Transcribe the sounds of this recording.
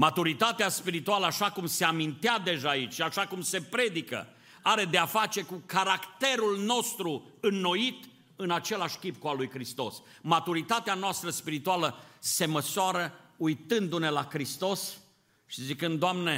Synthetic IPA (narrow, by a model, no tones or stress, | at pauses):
mat̪uɾit̪at̪easpiɾit̪ualəaʃakumse̞amint̪ead̪e̞ʒaːit͡ʃʃiaʃakumse̞pɾe̞d̪ikə̰ | aɾe̞d̪eafat͡ʃe̞kukaɾakt̪e̞ɾulno̞st̪ɾu | ɨnːo̞it̪ | ɨnat͡ʃe̞laʃʲkʲip̚kualujkɾist̪o̞̰s | mat̪uɾit̪at̪eanoast̪ɾəspiɾit̪ualəse̞məsoaɾəujt̪ɨnd̪une̞lakɾist̪o̞s | ʃizikɨnd̪oamne̞